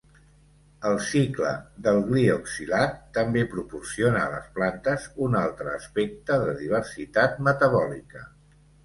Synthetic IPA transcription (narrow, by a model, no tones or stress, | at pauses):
əlˠsiklə̰ðəlˠɣlioksilat̪ːəmbepɾupursionəːlə̰splant̪əzunalˠt̪ɾəːspɛk̚t̪əðəðiβ̞ərsit̪at̪̚mət̪əβɔlikə